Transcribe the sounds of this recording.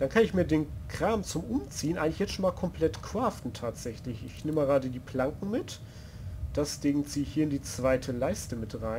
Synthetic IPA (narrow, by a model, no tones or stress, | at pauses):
d̥ankʰanɪçmiːɐdeːnkʁ̥aːmt͡sʊmʔʊmt͡siːənʔaɪɡŋlɪ̥çjɛt͡stʃoːnmaːlkʰɔmpl̥ɛtkʰv̥aːftn̩tʰaːtz̥ɛçlɪçɪçnɪməɡəʁaːdədiːplaŋkŋ̩mɪt | d̥asv̥ɪːɡŋt͡siːɪçhiːɐɪndiːt͡sv̥aɪtʰəlaɪstəmɪtʁaɪn